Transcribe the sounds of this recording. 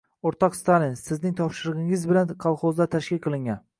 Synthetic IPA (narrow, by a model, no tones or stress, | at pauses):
oɾt̪ʰɒqst̪alɪnsɪznɪŋt̪ʰɒpʃɪɾɨʁɪŋɪzbɪlanqʰɑlˠχozd̪at̪ʰaʃkʲɪlʲqʰɨlˠɪŋɡʲan